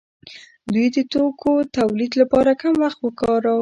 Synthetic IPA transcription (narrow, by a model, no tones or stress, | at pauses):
d̪ujd̪ət̪okʰot̪awlid̪lapɑɾakamwaxt̪wəkɑɾa